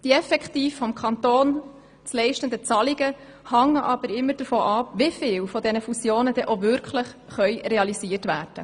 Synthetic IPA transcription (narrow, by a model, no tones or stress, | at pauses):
d̥iɛfɛkt̪iːfːɔmkʰɑnt̪oːn | t͡slɛɪʃtənd̪ət͡sɑliɡə | hɑŋːəʔɑb̥əɾɪmːəɾd̥əfɔːʔɑpʋɪfɪːwfɔd̪ɛnəfusjoːnəd̥ɛʔovʏɾkʰləχ | χœʏɾeɑlisiːərtʋæːrd̥ə